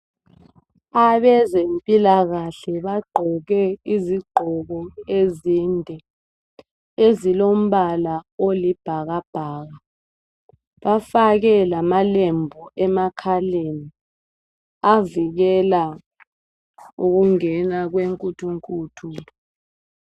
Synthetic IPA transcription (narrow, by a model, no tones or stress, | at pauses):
aβɛzempʼilaɣaɬɛβaɡ͡ǃʱɔɣɛiziɡ͡ǃʱɔɣɔeziːndʱɛ | ezilom̩βalaolib̥ʱaɣab̥ʱaːɣa | βafaɣɛlamalembʱɔʔɛmakʰaleni | aviɣɛla | uɣuŋɛnaɣweŋkʼutʰuŋkʼuːtʰu